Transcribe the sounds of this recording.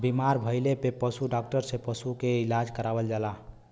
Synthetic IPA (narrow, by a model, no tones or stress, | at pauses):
bimaɾbʱəjlepepəsuɖɔk̚ʈəɾsepəsukeilad͡ʒkəɾabəld͡ʒala